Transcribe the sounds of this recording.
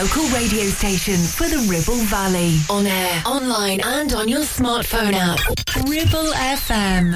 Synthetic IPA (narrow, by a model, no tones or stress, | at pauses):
oʊkəlˠɹeɪdioʊsteɪʃə̃nfəðəɹɪbəlˠvaliə̃nɛːʔɒ̃nlãɪ̃nə̃nd̃njəsmɑˑtfə̃ʊ̃nap | ɹɪbəlɛfɛ̃m